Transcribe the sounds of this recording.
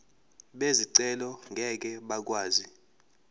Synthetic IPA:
ɓeziǀɛlɔŋɡʱɛk̬ʼɛɓak̬ʼwaːzi

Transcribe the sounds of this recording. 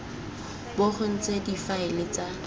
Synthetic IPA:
bʊχʊn̩t͡sʼedifaɪlɪt͡sʼa

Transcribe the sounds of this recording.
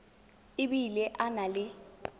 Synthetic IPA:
ɪɓilɛʔanalɪ

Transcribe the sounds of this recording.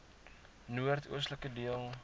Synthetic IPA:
nuərtʰṵəs̬tləkədiəlˠ

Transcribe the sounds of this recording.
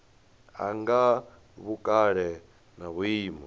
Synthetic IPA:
a̰ŋɡa | βukʼaɺɛ | naβuiːmɔ

